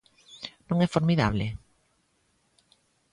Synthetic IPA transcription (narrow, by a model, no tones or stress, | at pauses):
nõŋɛfoɾmiða̰β̞le